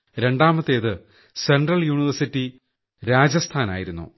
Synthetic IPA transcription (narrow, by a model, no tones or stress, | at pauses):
ɾe̞ɳɖaːmɐt̪ːe̞ːðɨ | se̞ɳɖrɐljuːniʋɐrsitːi | ɾaːd͡ʑɐst̪ʰaːna̰ːjiɾunːṵ